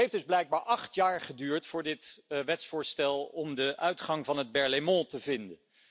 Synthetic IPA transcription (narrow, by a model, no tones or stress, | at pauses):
ɦejfdɵzblɛjɡ̚baːɹʔɑχtjaːɹχədyːɹtfʊːɹdɪtʋɛtsfʊːɹstɛlˠɔmdəʔœɥtχɑŋvɑnɦəd̚bɛɹlemɔ̃təvɪndən